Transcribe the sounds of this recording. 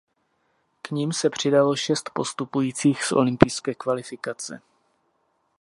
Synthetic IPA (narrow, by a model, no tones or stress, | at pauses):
kɲimsɛpr̝̥ɪdalo̞ʃɛst̪po̞st̪upujiːt͡siːxsʔo̞̰lɪmpɪjskɛːkvalɪfɪkat͡sɛ̰